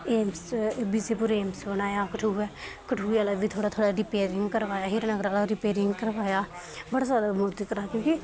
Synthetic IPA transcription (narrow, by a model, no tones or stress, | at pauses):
eːmsbiseːpʊɾeːmsbənaːjaːkəʈʰuːɛːkəʈʰuːaːlaːʋiːt̪ʰoːɽaːt̪ʰoːɽaːɾɪpeːɾɪŋɡkəɾʋaːjaːɦɪɾnəɡɾaːlaɾɪpeːɾɪŋɡkəɾʋaːjaː | bəɽaːzaːd̪aːmoːɾt̪ːkəɾaːkjõːki